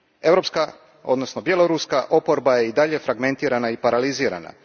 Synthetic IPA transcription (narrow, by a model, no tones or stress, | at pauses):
e̞ʋɾo̞pska | od̪no̞sno̞bje̞loɾuskaʔo̞po̞ɾbaje̞id̪aʎe̞fɾaɡme̞nt̪iːɾanaipaɾaliziːɾa̰na̰